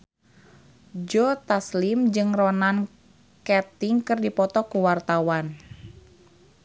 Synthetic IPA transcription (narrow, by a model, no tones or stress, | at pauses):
d͡ʒot̪aslimd͡ʒɨŋrɔnan | kɛt̪ɪŋkɨrdipɔt̪ɔkuwart̪awan